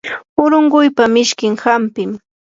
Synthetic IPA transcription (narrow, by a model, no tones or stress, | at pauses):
ʊɾʊɴɢʊjpamɪʃkɪŋhampɪm